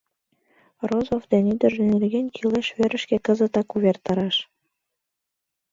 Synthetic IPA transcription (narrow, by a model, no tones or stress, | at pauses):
rozofd̪enyd̪ə̆ʒĕnelɣenʲkʰileʃβøɾə̆ʃkekə̆zə̆t̪ɑkuβert̪ɑɾɑʃ